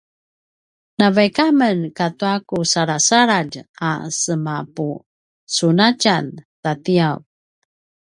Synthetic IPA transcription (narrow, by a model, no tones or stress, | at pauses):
navajkamənkatuakusaɾasaɾaɟa̰səmapu | sunat͡ʃantatiav